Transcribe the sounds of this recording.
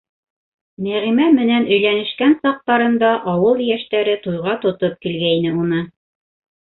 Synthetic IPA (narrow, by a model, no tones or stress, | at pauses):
mæʁimæmɘ̆nænɵ̆jlænɘ̆ʃkænsɑq̚t̪ɑɾɤ̆nd̪ɑʔɑwɤlˠjæʃt̪æɾɘt̪ujʁɑt̪ŏt̪op̚kilɡæinɘunɤ